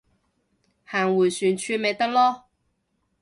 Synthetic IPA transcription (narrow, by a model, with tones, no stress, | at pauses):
haː˨˩ŋwu˨˩jsy˨˩nt͡ʃʰy˧me˨˧jt̪ɐ˥k̚lɔ˦